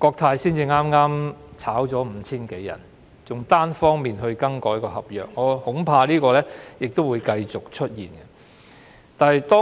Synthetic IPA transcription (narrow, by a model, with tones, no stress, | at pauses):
kɔː˧k̚t̪ʰaː˧jsiː˥nt͡siː˧ŋaː˥mŋaː˥mt͡sʰaː˨˥wt͡sɔː˨˥m̩˨˧t͡sʰiː˥nke˨˥jːɐ̰˨˩n | t͡sʊ˨˩ŋt̪aː˥nfɔː˥ŋmiː˨nɦɵ˧ɥkɐ˥ŋkɔː˨˥jkɔː˧hɐ˨p̚jœ̰ː˨k̚ŋɔː˨˧hʊ˨˥ŋpʰaː˧liː˥kɔː˧lɛː˥jɪ˨k̚t̪o˥wuː˨˧jkɐ˧jt͡sʊ˨k̚t͡ʃʰɵ˥t̚jiː˨˩nkɐ˧ | t̪aː˨nɐ˨jt̪ɔː˥